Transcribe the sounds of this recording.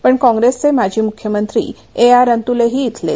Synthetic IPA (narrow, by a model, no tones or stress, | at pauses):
pəɳkɔ̃ŋɡɾest͡semad͡ʑʱiːmukʰjəmənt̪ɾḭː | eaɾənt̪uleɦiːt̪ʰlḛ